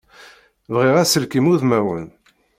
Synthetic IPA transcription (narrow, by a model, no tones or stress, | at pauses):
vʁiʁæsəlkimuðmæwən